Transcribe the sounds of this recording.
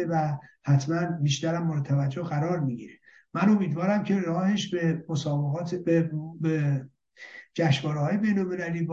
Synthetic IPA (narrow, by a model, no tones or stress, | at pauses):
evæhæt̪ʰmænbiːʃt̪æɾæmːɒːɾet̪ʰævæd͡ʒːohɣæɾɒːɾmiɟiːɾe | mæno̞miːd̪vɒːɾæmcʰe̞ɾɒːheʃbemosɒːbeɣɒːt̪ʰbebe | d͡ʒæʃvɒːɾehɒːje̞be̞jnolme̞læliːb